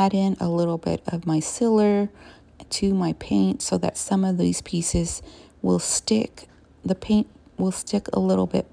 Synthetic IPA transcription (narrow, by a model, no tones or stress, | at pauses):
ɾɪ̃nə̰lɪɾl̩ˠbɪ̰ɾʌvmaɪsɪlˠə˞ | tʰɨmaɪpʰẽɪ̃ntsoʊðɨ̰tsʌ̃mʌvðiz̥pʰisɨz̥ | wɪlˠstɪk | ðɨpʰẽɪ̃nʔwɪlˠstɪkə̰lɪɾl̩ˠbɪ̰t̚